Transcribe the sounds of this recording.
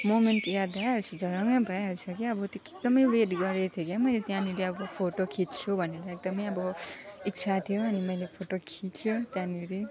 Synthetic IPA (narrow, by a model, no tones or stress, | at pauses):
momenʈkjad̪aɦʌɾut͡sʰʌd͡zʱʌɾʌŋʌbʱʌaɦʌɾut͡sʰʌkiʌbʌt̪joek̚d̪ʌmʌjweʈɡʌɾet̪ʰjokemʌjlet̪jãniɾiʌbʌpʰoʈokʰitt͡sʰobʱʌneɾʌek̚d̪ʌmʌjʌbʌikt͡sʰat̪ʰijoʌnimʌjlepʰoʈokʰit͡sʰot̪jãniɾi